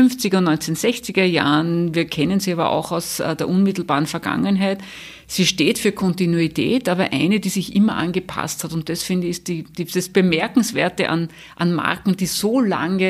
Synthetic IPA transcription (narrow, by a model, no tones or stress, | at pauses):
ʏnft͡sɪɡɐnɔʏnt͡senz̥ɛçt͡sɪɡɐja̰ːənviːɐkʰɛnənz̥iːaːbɐ̰ʔa̰ʊxaʊsdeːɐʔunmɪtl̩baːʁənfɛɐɡ̥a̰ŋənɦæɪt | siːʃteːtfyːɐkʰɔntinuitʰɛ̰ːtaːβɐʔæɪnədiːzɪçʔɪmɐʔa̰nɡəpʰa̰sthatʊnt̚d̥asfɪndəɪst̚d̥id̥id̥asb̥əmɛɐkŋ̩sv̥eːɐtəʔa̰n | ʔanma̰ɐkŋ̩d̥iːzoːla̰ŋə